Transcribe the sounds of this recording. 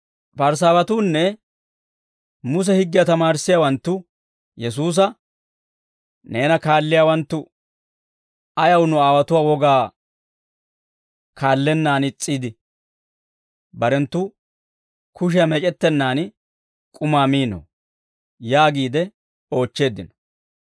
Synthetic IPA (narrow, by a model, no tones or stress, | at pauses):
bɐɾs̬aːbɐt̪uːnːɛ | mʊs̬ɛhɪɡːɪjɐt̪ɐmaːɾsːɪjaːwɐnt̪ːʊ | jɛs̬uːs̬ɐ | ne̞ːnɐkaːlːɪjaːwɐnt̪ːʊ | ɐjɐwnʊaːwɐt̪ʊwaːwɔɡaː | kʰaːlːɛnːaːnɪt͡sʼːiːd̪ɪ | bɐɾɛnt̪ːʊ | kʊʃ̬ɪjɐmɛt͡ʃʼɛt̪ːɛnːaːn | kʼʊmaːmiːnɔ̰ | jaːɡiːd̪ɛ | o̞ːt͡ʃːe̞ːd̪ɪnɔ̥